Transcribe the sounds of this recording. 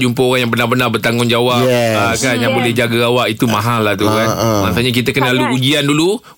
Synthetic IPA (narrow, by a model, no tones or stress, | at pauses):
d͡ʒumpəoɾaŋjaŋbənarbənarbərt̪aŋʊnd͡ʒawapakanjaŋbolɛhd͡ʒaɡaawaʔit̪umãɦalaht̪ukanmãŋsuɲak̬it̪əkənəlaluud͡ʒiandulu